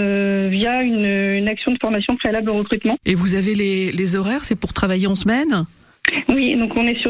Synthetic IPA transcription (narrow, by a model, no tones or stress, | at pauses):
vjaynːnaksjɔ̃d̪əfɔʁmasjɔ̃pχealabloʁəkχyt̪mɑ̃evuzavelelezɔʁɛʁsɛpuʁt̪χavajeɑ̃səmɛn | wid̪ɔ̃kɔ̃nɛsy